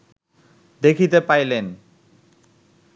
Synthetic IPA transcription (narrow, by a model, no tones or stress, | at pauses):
d̪ekʰit̪epajlen